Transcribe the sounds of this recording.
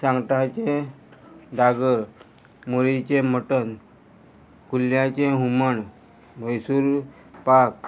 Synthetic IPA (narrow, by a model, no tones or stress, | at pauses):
sãŋɡʈat͡ɕe | d̪aɡəɾ | moɾit͡ɕem̤əʈən | kuljat͡ɕẽɦuməɳ | məjsuːɾ | pak